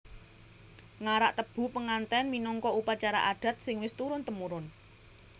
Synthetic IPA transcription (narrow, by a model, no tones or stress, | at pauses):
ŋaɾaʔt̪əb̥ṳpəŋant̪ɛnminɔŋkɔupat͡ʃaɾa̰ʔaɖ̥a̤t̪̚sɪŋwɪst̪uɾʊnt̪əmuɾʊn